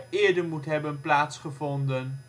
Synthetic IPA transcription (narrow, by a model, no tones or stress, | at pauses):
ɪːɹdəɹmutɦɛbənplaːtsχəvɔndən